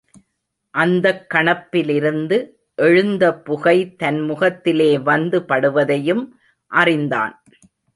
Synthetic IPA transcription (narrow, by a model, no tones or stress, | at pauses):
ʔɐnd̪ɐkːɐɳɐpːɪlɪɾɯnd̪ɯ | ʔɛɻɯnd̪ɐpːʊɣɐɪt̪ɐnmʊɣɐt̪ːɪleːʋɐnd̪ɯpɐɽɯʋɐðɐjɯm | ʔɐrɪnd̪a̰ːn